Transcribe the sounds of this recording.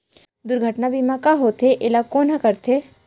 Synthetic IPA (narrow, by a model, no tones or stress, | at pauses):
d̪ʊɾɡʱəʈnabʱimãkaɦot̪ʰeʔeːlakoːnɦəkəɾt̪ʰe